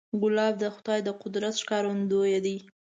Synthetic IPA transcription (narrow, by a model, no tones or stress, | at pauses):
ɡʊlɑb̚d̪əxʊd̪ɑjd̪əqʊd̪ɾat̪ʃkɑɾand̪ojad̪i